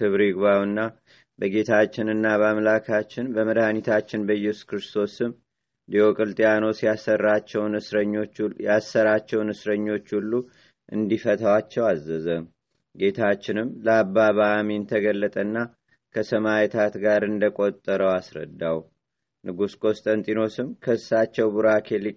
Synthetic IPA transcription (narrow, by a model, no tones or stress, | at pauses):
t̪ʰɨβɾiɡβawɨnːa | bəɡe̞t̪ʰat͡ʃːɪnɨnːaβamlakʰat͡ʃːɪnbəməd̪anit̪ʰat͡ʃːɪnbəjɛsu̥skʰɨɾɨst̪ʰo̞sɨm | d̪iokʼɨlt̪ʼjano̞sijasərːat͡ʃːɛwnɨ | jasːəɾat͡ʃːɛwnɨsɾəɲːo̞t͡ʃːulːu | ʔɨ̰nd̪ifət̪ʰawat͡ʃːɛwazːəzə | ɡe̞t̪ʰat͡ʃːɪnɨmləaβːaβamiɨnt̪ʰəɡəlːət̪ʼənːa | kʰəsəmajɛt̪ʰat̪ɡaɾɨnd̪əkʼo̞t̪ʼːəɾəwasɾə̰d̪ːaw | nʔɨɡuskʼo̞st̪ʼənt̪ʼino̞sɨmkʰəsːat͡ʃːɛwbuɾakʰe̞li